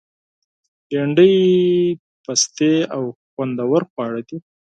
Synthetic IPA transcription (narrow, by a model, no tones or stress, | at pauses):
jeɳɖəj | past̪eawxwand̪awaɾxwɑɽad̪i